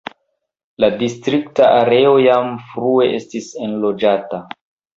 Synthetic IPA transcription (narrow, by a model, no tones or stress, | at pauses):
ladistɾiktaʔaɾe̞o̞jamfɾue̞ʔe̞stise̞nlo̞d͡ʒata